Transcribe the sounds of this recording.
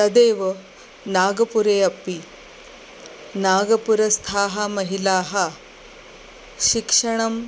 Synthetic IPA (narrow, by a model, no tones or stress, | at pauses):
t̪ɐd̪eːʋɐ | naːɡɐpuɾeːɐpːi | naːɡɐpuɾɐst̪ʰaːɦɐmɐɦilaːɦɐ | ɕikʂɐɳ̃ɐm